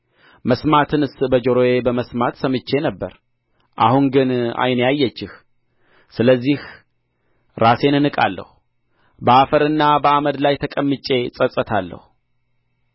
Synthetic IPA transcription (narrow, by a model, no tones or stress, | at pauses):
məsmat̪ʰɨnɨsbəd͡ʒoɾojebəməsmat̪səmɨt͡ʃːe̞nəbːə̰ɾ | ʔa̰hunɡɨna̰jnjajːɛt͡ʃːɪh | sɨləzːih | ɾase̞nɨnɨkʼa̰lːə̰hu | bəafəɾɨnːabəaməd̪lajt̪ʰəkʼəmːɨt͡ʃʼːe̞sʼəsʼət̪ʰalːə̰hu